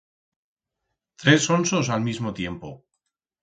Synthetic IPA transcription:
t̪ɾe̞sonsosalmizmot̪je̞mpo̰

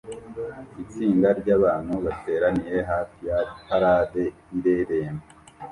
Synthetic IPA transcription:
it͡siːndaɾɟaːβaːn̥huβate̞ːɾaniɾe̞ɦaːfijakaɾaːde̞ | iɾeɾeːma

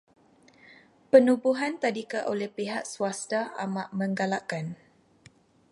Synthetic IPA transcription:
pənubuɦant̪adikəʔolɛhpeɦaʔsuast̪aa̰maʔmə̃ŋɡalaʔkan

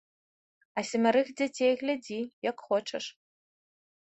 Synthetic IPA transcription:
asɪmaɾɨxd͡zatʰejɣʲlʲadijakʷʼχʷɔʈ͡ʂʰɐʂ

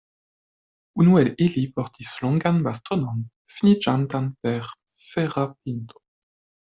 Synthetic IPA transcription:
unuɛlilipɔʁt̪islɔ̃ŋɡanbast̪ʁɔnɔn | finid͡ʒant̪anpɛʁ | fɛʁap̚int̪o̥

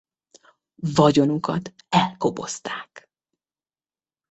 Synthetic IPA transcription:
vɒɟo̞nukɒt̪ | ɛlko̞bo̞̰st̪aːk

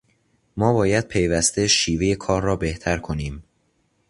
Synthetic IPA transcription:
mɒːbɒːjæd̪̥̚pʰe̞jvæst̪e̞ʃiːve̞je̞kʰɒːɾːɒːbe̞ht̪ʰæɾkʰo̞niːm

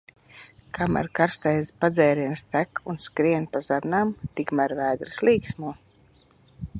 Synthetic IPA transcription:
kʰama̰ɾkaɾst̪ajzpad̪zɛːɾiɛnst̪ækunskɾiɛnpazaɾnaːmt̪ikmæɾvæːd̪ɾɨslˠiːksmuɔ

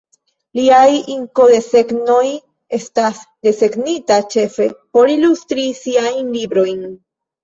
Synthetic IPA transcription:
liajiŋko̞de̞se̞ɡno̞j | e̞stasde̞se̞ɡnitat͡ʃe̞fe̞po̞ɾilustɾisiajnlibɾo̞jn

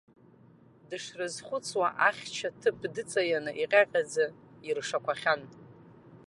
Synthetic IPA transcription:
dɨʂrɨzχʷʊt͡sʰʼwaʔaχʲt͡ʃʰatʰɨpʰdɨt͡sʼajanɨʔiqʲʼaqʲʼad͡zɨ | irʂakʷʰaχʲan

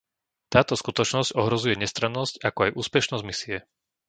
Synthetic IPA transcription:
t̪aːt̪ɔskut̪ɔt͡ʃnɔzcɔɦɾɔzujɛɲɛst̪ɾanːɔscakɔajʔuːspɛʃnɔzɟmisiɛ

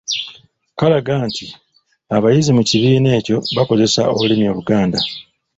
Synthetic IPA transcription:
kalaɡaːnti | aβajizimuciβiːne̞ːco̞βako̞ze̞sa̰oβulinjo̞ːβuɡaːnda

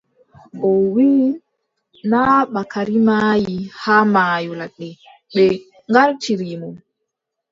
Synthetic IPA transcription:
ʔɔwiː | naɓakaɾimaːjihaːmaːjɔlaɗɛ | ɓɛ | ŋɡaɾtiɾimum

